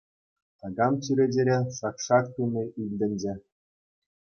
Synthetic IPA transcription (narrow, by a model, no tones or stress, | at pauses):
t̪ɑɡɑmt͡ɕyɾʲed͡ʑeɾʲeʂɑkʂɑk̚t̪unʲɤ̆ʔilʲdʲɘ̆nʲd͡ʑɘ̆